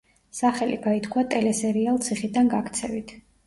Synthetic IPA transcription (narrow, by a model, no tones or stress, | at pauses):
saχɛliɡ̥ait̪kʰwat̪ʼɛlɛsɛɾialˠt̪sʰiχid̪anɡakʰt̪sʰɛvit̪ʰ